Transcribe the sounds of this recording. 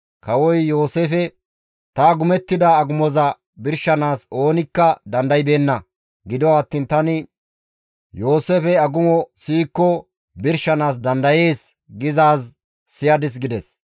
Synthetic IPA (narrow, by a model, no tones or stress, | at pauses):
kɐwɔjjo̞ːsefɛ | t̪ɐɡʊmɛt̪ːɪd̪ɐːɡʊmɔzɐ | bɪɾʃɐnaːso̞ːnɪkːɐd̪ɐnd̪ɐjbe̞ːnːɐ | ɡɪd̪ɔwɐt̪ːiːnt̪ɐnɪ | jo̞ːsefɛɐɡʊmɔsiːkːɔ | bɪɾʃɐnaːs̬d̪ɐnd̪ɐje̞ːs | ɡɪzaːsː | ɪjɐd̪ɪs̬ɡɪd̪ɛs